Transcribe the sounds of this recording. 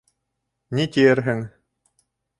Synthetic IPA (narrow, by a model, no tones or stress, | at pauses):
nit̪ʲijɘɾɦɘŋ